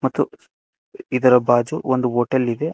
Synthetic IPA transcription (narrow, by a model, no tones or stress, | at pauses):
mɐt̪ːu | id̪ɐɾɐbaːd͡ʒuond̪uoːʈɐlid̪e̞